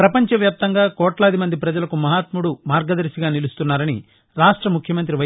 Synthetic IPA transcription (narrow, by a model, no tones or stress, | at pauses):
pɾɐpɐɲt͡ʃɐʋjaːp̚t̪ɐŋɡaːkɔːʈlɐːd̪imɐnd̪ipɾɐd͡ʒɐlɐkumɐɦaːt̪muɽumaːɾɡɐd̪ɐɾsiɡaːnilust̪unːaːɾɐni | ɾaːʂʈɾɐmukʰjɐmɐnt̪ɾiʋɐ